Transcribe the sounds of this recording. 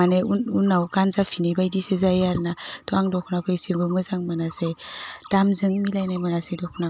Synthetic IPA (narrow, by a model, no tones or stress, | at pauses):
aneununawkansafʰinejbajdisezajaɾnatʰɔaŋdɔkʰnakʰɯjsiɾbɯmɯzaŋmanased̥amzɯŋmilajnajmanasedɔkʰna